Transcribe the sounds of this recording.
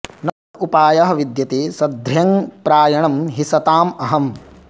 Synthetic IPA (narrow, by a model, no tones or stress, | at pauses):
nɐtupaːjɐɦɐ̆ʋid̪jɐt̪isɐd̪ʱɾjɐŋpɾaːjɐɳɐmɦisɐt̪aːmɐɦɐm